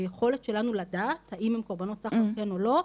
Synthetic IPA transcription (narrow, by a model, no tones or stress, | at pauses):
ajeχo̞let̪ʃe̞lanuladathaimhemkoʁbano̞t̪t͡saχokenolo̞